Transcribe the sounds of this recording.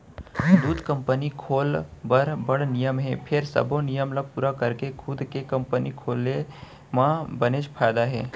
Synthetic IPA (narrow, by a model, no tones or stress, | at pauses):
d̪uːt̪kə̃mpənikʰoːlbəɾbɐɽnɪjəmɦɛ̃pʰɪɾsɐ̰bõnijəmləpuːɾakɐɾkekʰʊd̪kekɐ̃mpənikʰoːle | mãbəneːʃpʰaːjd̪aɦɛː